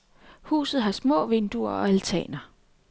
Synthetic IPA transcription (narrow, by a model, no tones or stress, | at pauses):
hṵːsð̩ˠɦɑ̈smɔ̰̽ːʋe̝nd̥uɐɒ̽ælt͡sʰɛ̰ːnɐ